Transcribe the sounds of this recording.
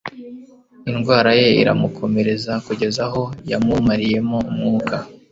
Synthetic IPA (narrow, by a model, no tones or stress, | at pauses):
inɡwaːɾaje̞ḭɾa̰mukʰo̞me̞ɾe̞zakuɟe̞zaɦo̞jamumaɾije̞moumŋuːkʰa